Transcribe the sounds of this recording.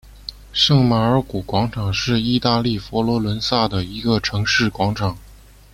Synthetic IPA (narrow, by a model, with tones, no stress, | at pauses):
ʂɤ˥˩ŋma˧˩ə˞˧˥ku˨˩kwɑ˧˥ŋʈ͡ʂʰɑ˨˩ŋʂɻ̩˥˧i˥˧t̪a˥˧li˥˩fɔ˧˥lwɔ˧˥lwə˧˥nsa˥˩d̪ə˩i˧˥ɡə˧ʈ͡ʂʰɤ˧˥ŋʂɻ̩˥˩kwɑ˧˥ŋʈ͡ʂʰɑ˨˩˦ŋ